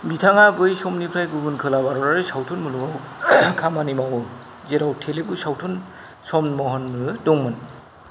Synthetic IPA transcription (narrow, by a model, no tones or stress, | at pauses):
bitʰaŋaɡɯjsɔmnipʰɾajɡubɯnkʰɯlabaɾɔɾaɾɯsawtʰunmuluŋawkʰamanimawɯ | zeɾawtʰelebusawtʰun | sɔmnmɔɦɔnmɯdɔŋmɯn